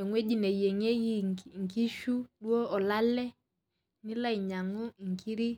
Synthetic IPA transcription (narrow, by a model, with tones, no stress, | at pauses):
ɛ˨ŋwɛ˦ʄi˦nɛ˨jɛ˨ŋɛ˦ji˦ŋki˦ʃu˦ɗwɔ˦ɔ˨la˦lɛ˦ | ni˦la˦i˨ɲa˨ŋɔ˦ŋ˨kʰi˦ɾi˦